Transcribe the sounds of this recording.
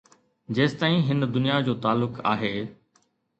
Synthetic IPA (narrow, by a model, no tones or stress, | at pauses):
d͡ʑeːst̪aːĩɦɪnd̪ʊnijad͡ʑoːt̪aːlːʊka̰ːɦeː